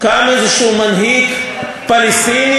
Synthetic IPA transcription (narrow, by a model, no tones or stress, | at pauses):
kaːmezʃuːmɐnɦiːk | pɐlist̪iːni